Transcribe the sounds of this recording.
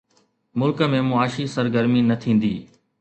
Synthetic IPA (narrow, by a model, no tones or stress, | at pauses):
mʊlkəmẽmʊaːʃisɐɾɡəɾminɐt̪ʰĩːn̆d̪iː